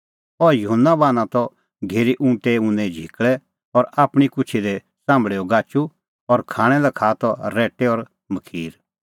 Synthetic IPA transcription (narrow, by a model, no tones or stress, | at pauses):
ɔjʊɦənːabaːnãt̪ɔ | ɡʱeːɾiʔũːʈeũnɛ̃d͡ʒʱikɭɛ | ɔɾaːpɽ̃ikʊt͡ʃʰid̪ɛ | sãːmbɭeːɔɡaːt͡ʃu | ɔɾkʰãːɽ̃ɛlɛkʰaːt̪ɔɾɛːʈɛɔɾ | məkʰiːɾ